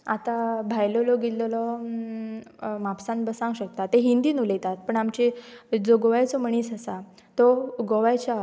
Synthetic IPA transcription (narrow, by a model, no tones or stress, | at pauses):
at̪abʱajlɔlɔɡilɔlɔ | mapsãnbəsãŋɡɕək̚t̪at̪ːeɦind̪iːnulet̪at̪̚pəɳamt͡ɕed͡zoɡoʋajt͡sɔməɳ̃iːsasa | t̪ɔɡoʋajt͡ɕa